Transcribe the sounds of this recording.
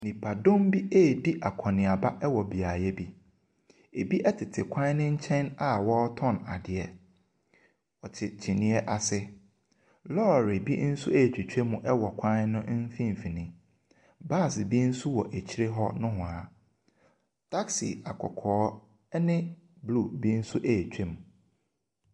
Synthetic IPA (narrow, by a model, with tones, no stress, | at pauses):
nĩ˨pʰa˨dõ˦mbi˦ʔe˦˨di˦ʔa˨kʷʰɔ̃˨nɪ̃˨a˨ba˦ʔɛ˦wɔ˨bi˨a˨jɛ˦bi˦ | e˨bi˦ʔɛ˦tʰɪ˨tʰɪ˨kʷʰã˦nʊ̃˦ɲ̩˦t͡ɕʰɛ̃˦na˨wɔ˦tʰɔ̃˦na̰˨dɪ˨ɛ˨ | ɔ˨t͡ɕʰɪ˨t͡ɕʰi˨nĩ˦ɛ˦ʔa˨sɪ˦ | lɔ˦˨ɾɪ˨bḭ˦n̩˦su˦æ˦˨t͡ɕᶣʰe˨t͡ɕᶣe˦mũ˨ʔɛ˦wɔ˨kʷʰã˦nʊ̃˦n̩˦fĩ˦˨m˨fi˨nɪ̃˨ | ba˦˨sbi˦n̩˦su˦wɔ˨ʔæ˨t͡ɕʰi˦ɾe˦ɦɔ˦nʊ̃˦ɦʊ̃˨a˨ | tʰa˦ksḭ˨a˨kʰɔ̰˨kʰɔː˨˦ | nɪ̃˦ | blu˦˨bi˦n̩˦su˦ʔe˦˨t͡ɕᶣe˦mũ˨